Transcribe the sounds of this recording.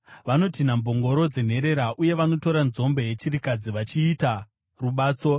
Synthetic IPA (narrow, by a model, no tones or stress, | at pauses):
ʋano̞tinambo̞ŋɡo̞ɾo̞d͡ze̞n̤e̞ɾe̞ɾaʔuje̞ʋano̞to̞ɾanzo̞mbe̞je̞t͡ʃiɾikad͡ziʋat͡ʃiːta | ruɓaːt͡so̞